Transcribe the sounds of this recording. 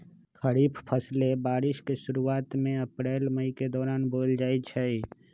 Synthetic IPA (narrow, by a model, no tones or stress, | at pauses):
kʰəɾiːpʰpʰəslebaːɾɪʃkeʃʊɾuaːt̪mẽɐpɾeːlməiked̪ɔːɾaːnboːld͡ʒaːit͡ʃʰɛi